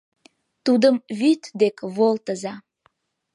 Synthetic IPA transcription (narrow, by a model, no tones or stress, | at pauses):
t̪ud̪əmβyt̪d̪ekβolt̪əzɑ